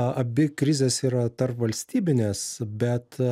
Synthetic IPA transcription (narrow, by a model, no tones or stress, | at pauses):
ɐbʲɪkɾʲɪzʲeːsiːɾɐt̪ɐrpʋɐlʲsʲt̪ʲiːbʲɪnʲeːsbʲɛt̪